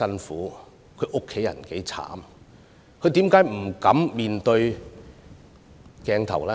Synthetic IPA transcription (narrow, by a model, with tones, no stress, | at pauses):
ɐ˥nfuː˨˥ | kʰɵ˨˧ɥʔʊ˥kʰːe˨˥jɐ̰˨˩nke˨˥jt͡sʰa̰ː˨˥m | kʰɵ˨˧t̪i˨˥mkaː˨˥jm̩˨˩kɐ˨˥mmiː˨˧nt̪ɵ˧ɥ | kɛː˨˧ŋt̪ʰɐ̰˨˩wlɛː˦˥